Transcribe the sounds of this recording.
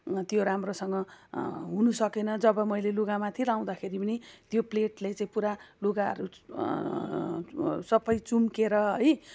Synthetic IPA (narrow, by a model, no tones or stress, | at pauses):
t̪joɾamrosʌŋɡʌɦunusʌkenʌd͡zʌbʌmʌjleluɡamat̪ʰilaw̃d̪akʰeɾipʌnit̪jopleʈlajt͡saĩpuɾaluɡaʌ̰ɾu | sʌbʌjt͡sumkeɾʌɦʌj